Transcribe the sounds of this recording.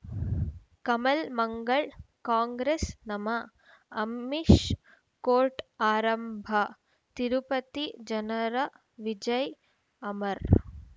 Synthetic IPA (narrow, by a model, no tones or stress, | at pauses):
kɐmɐlmɐŋɡɐɭ | kaːŋɡɾesnɐmɐː | miʃ | koːɾʈaːɾɐmbʱɐ | t̪iɾupɐt̪id͡ʒɐnɐɾɐ | ʋid͡ʒɐj | ɐmɐɾ